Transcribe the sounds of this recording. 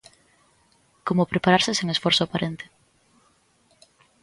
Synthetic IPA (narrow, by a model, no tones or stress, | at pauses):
komʊpɾepaɾaɾsɪseŋesfɔɾsʊapaɾʔent̪ɪ̥